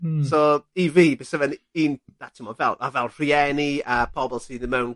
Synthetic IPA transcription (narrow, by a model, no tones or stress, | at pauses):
sɔiviːbəsəvɛniːnðatʰimɔvɛlˠavɛlˠr̥iɛniəpʰɔbɛlˠsiðəmɛwn